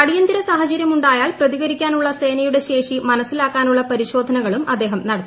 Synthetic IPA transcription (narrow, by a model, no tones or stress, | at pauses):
ɐɽijɐnd̪iɾɐsaːɦɐt͡ɕɐɾjɐmuɳɖaːjaːlprɐðiɣɐɾikʲːaːnuɭːɐse̞ːnɐjuɽe̞ɕe̞ːʂimɐnɐsːilaːkːaːnuɭːɐpɐɾiɕo̞ːd̪ʱɐnɐɣɐɭumʔɐd̪ːe̞ːɦɐmnɐɽɐt̪ː